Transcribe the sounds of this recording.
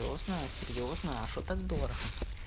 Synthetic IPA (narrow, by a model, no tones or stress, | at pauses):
o̰znəjəsʲɪrʲjoznəjəɐʂot̪ɐɡd̪oɾxɐ